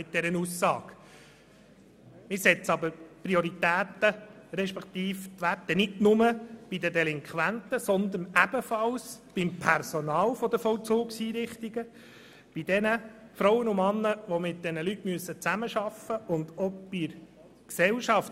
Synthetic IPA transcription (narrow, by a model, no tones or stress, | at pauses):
mɪt̪̚d̪ɛɾənusːɑːk | mɪɾsɛt͡sɑbəɾpɾiɔɾit̪æːt̪əɾɛʃpɛkt̪iːft̪ʋætːənɪdnʊməb̥id̪ədɛlɪŋkʰʋænt̪əsɔnd̪ənæb̥əfɑlsb̥ɪmpʰɛɾsɔnɑːlfɔd̪əfɔwt͡soːkshiːɾɪχt̪iɡə | b̥id̥̪ɛnəfɾɔwənʊmɑnːəʋɔmɪt̚d̥̪ɛnəlytmyəsːət͡sæməʃɑfːəʔʊnd̪ɔb̥iɾ | ksɛlʃɑft